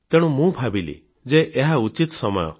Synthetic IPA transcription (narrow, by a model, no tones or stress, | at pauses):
t̪eɽ̃ũmũbʱabilḭ | d͡ʒeʔeɦaut͡ʃit̪ɔsɔmɔ̰jɔ̰